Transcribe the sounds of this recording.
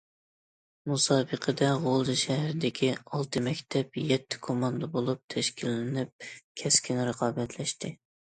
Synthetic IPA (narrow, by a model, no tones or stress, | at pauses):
musɑːbəqʰəd̪ɛʁolˠd̪ɨʃɛɦɾɪd̪ɪkʲʰiɑlˠt̪ʰɨmɛkʲt̪ʰɛpjɛt̪ʰːɪ̥kʰomɑnd̪ɑbolˠup̚t̪ʰɛʃkʲilːɪnɪp̚kʲʰɛskʲʰinɾəqʰɑːbɛt̪ʰlɛʃt̪ɪ